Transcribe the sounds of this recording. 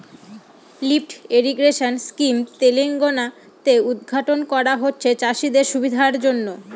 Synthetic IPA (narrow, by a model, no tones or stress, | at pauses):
lipʈeɾiɡɾeʃonskimt̪eliŋɡona | t̪eud̪ɡʱaʈonkɔɾaɦotːɕʰet͡ɕaʃid̪eɾʃubid̪ʱaɾd͡ʑonːo